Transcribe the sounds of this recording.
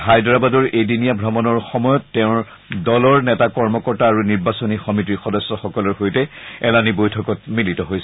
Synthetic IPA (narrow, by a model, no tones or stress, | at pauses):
hajdɔɹabadɔɹejdinijabʱɹɔmɔnɔɹxɔmɔjɔtːɛʊ̃ɹ | dɔlɔɹnɛtakɔɹmɔkɔɹtaːɹuniɹbasɔnixɔmitixɔdɔsːɔxɔkɔlɔɹxojtɛɛlanibojtʰɔkɔt̚militɔɦojsɛ